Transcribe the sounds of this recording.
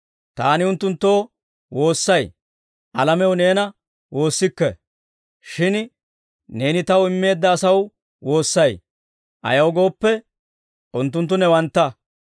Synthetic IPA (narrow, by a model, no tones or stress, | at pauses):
t̪aːnɪʊnt̪ːʊnt̪ːo̞ː | wo̞ːsːɐj | ʔɐlɐmɛwne̞ːnɐ | wo̞ːsːɪkːɛ̰ | ʃɪn | ne̞ːnɪt̪ɐwɪmːe̞ːd̪ːɐːsɐw | wo̞ːsːɐj | ʔɐ̰jɐwɡo̞ːpːɛ | ʔʊnt̪ːʊnt̪̬ːʊnɛwɐnt̪ːɐ